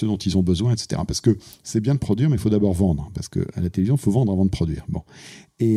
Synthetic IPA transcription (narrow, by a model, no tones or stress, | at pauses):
səd̪ɔ̃t̪ilzɔ̃bəzwɛ̃et̪se̥t̪ḛʁa̰paʁsə̥kəsɛbjɛ̃d̪əpχɔd̪ɥiʁmɛilfod̪abɔʁvɑ̃d̪ʁɛ̃paʁsə̥kə̰a̰lat̪elevizjɔ̃ifovɑ̃d̪ʁavɑ̃d̪əpʰχɔd̪ɥḭːʁbɔ̰̃e